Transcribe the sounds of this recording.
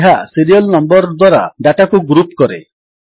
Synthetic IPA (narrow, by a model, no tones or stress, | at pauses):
ɦasiɾiɔlnɔmbɔɾd̪waɾa̰ɖaʈakuɡɾupkɔɾḛ